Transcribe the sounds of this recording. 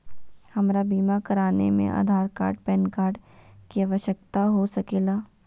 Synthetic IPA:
hɐmɾabiːmakɐɾaːnḛmḛ̃ʔa̰ːd̪ʱaːɾka̰ːɾɖpɛːnkaːɾɖkiaːʋəʃjək̚t̪aɦosɐkeːlaː

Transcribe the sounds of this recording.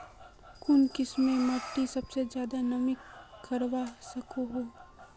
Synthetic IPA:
kʊnkɪsmẽmɐʈ̪ːisɐbsed͡ʒjaːd̪anɐmɪkːɐɾʋasɐkoɦoː

